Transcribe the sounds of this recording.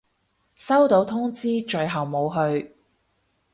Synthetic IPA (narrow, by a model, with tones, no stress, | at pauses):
sɐ˥wt̪o˨˧wt̪ʰʊ˥ŋt͡siː˥t͡ʃɵ˨˧ɥɦɐ˨wmo˨˧wɦɵ˧ɥ